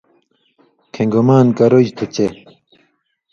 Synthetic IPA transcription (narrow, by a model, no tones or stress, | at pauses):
kʰeŋɡomaːnkɐɾod͡ʑt̪ʰut͡ɕe